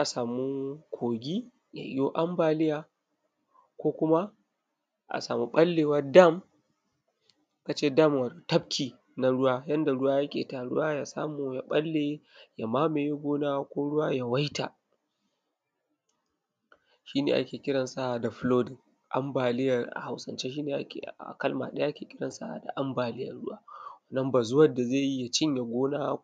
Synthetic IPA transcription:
ʔa˨saː˨mu˦kʷʰoː˨ɡʲi˦ | ja̰˨ʔɪ˦jo˦ʔa˦mbaː˨lɪ˦jaː˨ | kʷoː˦kʷʊ˦ma˦ | ʔa̰˨saː˨mu˦ɓɐ˦lːeː˨wɐ˦da˦˨m | ka˨t͡ʃeː˦da˦˨mwa˨to˨tɐ˦b̚kʲʰiː˨ | na˨ɽʊ˦waː˦jɐ˦nda˨ɽʊ˦waː˦jɐ˦kʲḛː˨ta˨ɽʊ̰˦waː˦ja˨sa̰ː˦mu˨ja˨ɓɐ˦lːe˨ja˨maː˦meː˨ji˦ɡʷoː˦naː˦wkʷoː˦ɽʊ˦waː˦ja˨wa˦jta̰˨ | ʃiː˦nḛː˨ʔa̰˦kʲeː˨kʲɪ˦ɽɐ˨nsa˦ʔa˨da˨ɸloː˦dɪ˨ŋ | ʔa̰˦mbaː˨lɪ˦jɐ˨rʔa̰˨ha˨wsɐ˨nt͡ʃeː˦ʃ̬iː˦neː˨ʔa̰˦kʲḛ˨a̰˨kɐ˦lma̰˨ɗɐ˦a˦a˦kʲeː˨kʲɪ˦ɽɐ˨nsa̰˦ʔa̰˨da̰˨ʔa˦mbaː˨lɪ˦jɐ̰˨rɽʊ˦ʔaː˦wɐ˦nːɐ˦mbaː˨zʊ˦wɐ˦da˨zeː˦˨ji˦ja˨t͡ʃɪ˦ɲja˨ɡʷoː˦naː˦

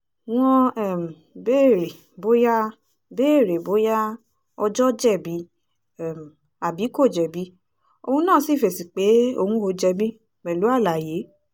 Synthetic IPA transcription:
w̃ɔ̃˧ɛ˦˨m̩˨beː˦˨ɾe˨ | bo˦ja˦ | beː˦˨ɾe˨bo˨˦ja˦ | ɔ˧d͡ʒɔ˦d͡ʒɛ˦˨bi˨˦ | ɛ˨m˨ | a˨bi˨˦ko˦˨d͡ʒɛ˨bi˦ | o˧hũ˧nãː˦˨˦si˦˨fe˨si˨k͡pe˨˦o̰˧hũ˧o˧d͡ʒɛ˧bĩ˦ | mɛ˨lu˨˦a˦˨la˨je˨˦

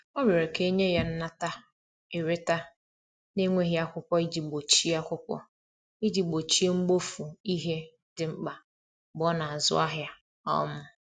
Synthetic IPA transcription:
o˦me˨ɾe˨ke˦ɲe˦ja˦n̩˦na˦ta˦ | e˨ɾe˦ta˦ | ne˦ŋʷe˦ɦi˦a˦kʷʊ˦kʷɔ˦i˦d͡ʒi˨ɡ͡bo˨t͡ʃi˦a˦kʷʊ˦kʷɔ̰˦ | i˦d͡ʒi˨ɡ͡bo˨t͡ʃi˦e˦ŋ͡m̩˦ɡ͡bo˦fu˨i˦ɦe˦ | dɪ˨ŋ͡m̩˦k͡pa˨ | bɔ˦na˨a˨zʊ̰˦a˦ɦja˦ | ɔ̰˦mʊ˦

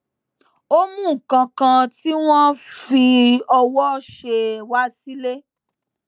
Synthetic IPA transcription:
o˦mũ˦˨kã˧kã˧ti˦w̃ɔ̃˦fi˧ɔ˧wɔ˦ʃe˧wa˦si˦le˦

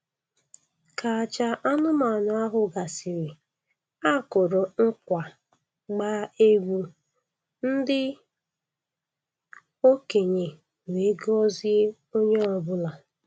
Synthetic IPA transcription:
ka˨a˨t͡ʃa˦ʔa˦nʊ˦ma˨na˨˦a˦ɦʊ˨ɡa˨sɪ˨ɾɪ˨ | a˦˨kʊ˨ɾʊ˨ŋ̩˦kʷa˨ | ɡ͡baː˦e˦ɡʷu˦ | n̩˦dɪ˦ | o˦ke˨ɲe˨ | we˨˦ɡɔ˦zɪ˦ | o˦ɲe˦ɔ˨bʊ˦la˨

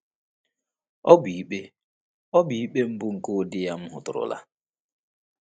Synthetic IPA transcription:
ɔ˦bi˨i˦k͡pe˦ | ɔ˦bi˦k͡pe˦m̩˦bʊ˦ŋ̩˨ko˦˨dɪ˦ja˦m̩˦ɦʊ̰˨tʊ˨ɾʊ̰˨la̰˦

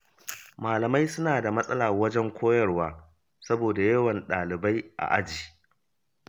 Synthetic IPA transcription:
maː˨lɐ˨ma˦jsʊ˦naː˨da˨mɐ˦sʼɐ˦laː˨wɐ˦d͡ʒɛ˦ŋkʷʰoː˦jɐ˦rwaː˦ | sɐ˦boː˨da˨jɐ˦wɐ˨nɗaː˨lɪ˨ba˦jʔa̰˨ʔa˦d͡ʒiː˨

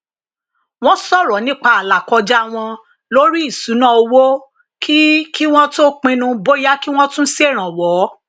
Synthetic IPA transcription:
w̃ɔ̃˦sɔ˦˨ɾɔ˨˦nĩ˦k͡pa˧a˨la˨kɔ˧d͡ʒa˦˨w̃ɔ̃˧ | lo˦ɾi˦i˦˨su˨˦nã˦o˧wo˦ | kʰi˦ki˦w̃ɔ̃˦to˦k͡pĩ˧nũ˧bo˦ja˦ki˦w̃ɔ̃˦tũ˦n̩˦se˦˨ɾ̃ã˨wɔ˨˦

